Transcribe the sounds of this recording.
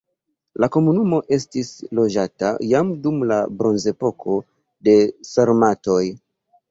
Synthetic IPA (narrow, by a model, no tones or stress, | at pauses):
lako̞munumo̞ʔe̞stislo̞d͡ʒata̰jamdumla̰bɾo̞nze̞po̞kʰo̞ | de̞saɾmato̞j